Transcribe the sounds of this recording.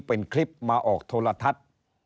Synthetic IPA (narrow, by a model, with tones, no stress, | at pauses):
pe˨nkʰli˦˥p̚maː˧ʔɔː˨˩k̚t̪ʰoː˧la˧t̪ʰa˦˥t̪̚